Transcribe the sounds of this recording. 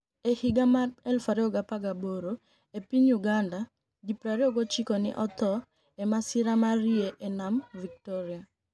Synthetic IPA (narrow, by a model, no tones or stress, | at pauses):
ehiɡamarɛlfaɾeɔɡapaɡaboɾo | epiɲuɡanda | ɡipɾaɾeoɡot͡ʃikonɪ̰ʔɔt̪ɔ | emasɪɾamarieʔenamvik̚tɔɾia